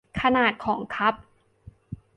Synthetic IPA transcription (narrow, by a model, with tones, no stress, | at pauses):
kʰa˧naː˨˩t̪̚kʰɔː˩˦ŋkʰa˦˥p̚